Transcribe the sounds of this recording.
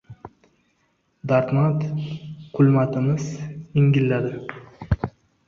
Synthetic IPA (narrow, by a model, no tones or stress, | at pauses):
d̪aɾt̪mat̪qʰʊlmat̪ʰɪmɪzɪŋɡʲɪlːad̪ɪ